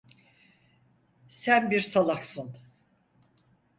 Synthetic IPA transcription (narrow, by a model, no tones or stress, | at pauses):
sænbiɾsalˠaksɯn